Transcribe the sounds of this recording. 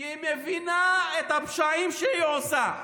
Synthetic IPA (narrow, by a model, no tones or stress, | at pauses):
imevinaet̪apʃaimʃeiosa